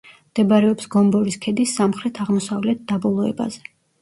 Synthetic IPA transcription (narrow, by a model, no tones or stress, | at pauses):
md̪̥ɛbaɾɛɔpsɡɔmbɔɾiskʰɛd̪isːamχɾɛt̪ʰaʁmɔsavlɛt̪̚d̪abɔlˠɔɛ̰ba̰zɛ